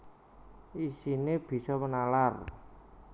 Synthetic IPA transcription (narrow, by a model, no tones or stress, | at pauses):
isineb̥i̤sɔmənalar